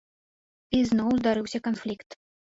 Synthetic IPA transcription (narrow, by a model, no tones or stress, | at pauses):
iznɔwzd̪aɾɨwsʲɐkanflʲikt̪